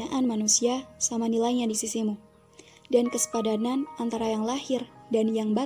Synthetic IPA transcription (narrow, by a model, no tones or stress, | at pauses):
aʔanmanusiasamanilajɲadisisimu | dankəsə̥padananʔant̪aɾajaŋlahɪrdanjaŋba